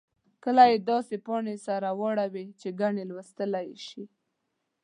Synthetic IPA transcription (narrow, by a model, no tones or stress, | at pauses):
kəlajed̪ɑsepɑɳesaɾawɑɽawit͡ʃeɡaɳelwəst̪əlajʃi